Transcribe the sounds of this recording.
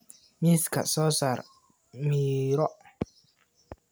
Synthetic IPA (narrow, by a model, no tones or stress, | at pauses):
miska̰sɔːsaːɾ | miɾɔ